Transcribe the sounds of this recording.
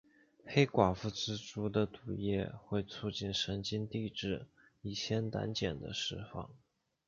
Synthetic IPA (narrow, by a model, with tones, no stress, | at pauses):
xe˥ɪkwa˨˩fu˥˩t͡sɹ̩˥ʈ͡ʂu˥d̪ə˨t̪u˨˩jɛ̰˥˧xwe˥˧ɪt͡sʰu˥˧t͡ɕi˥˩nʂə˧˥nt͡ɕi˥nt̪i˥˧ʈ͡ʂɻ̩˥˩ | i˥˩ɕʰjɛ˥nt̪a̰˧˥nt͡ɕjɛ˨˩nd̪ə̰˦ʂɻ̩˥˧fɑ̰˥˩ŋ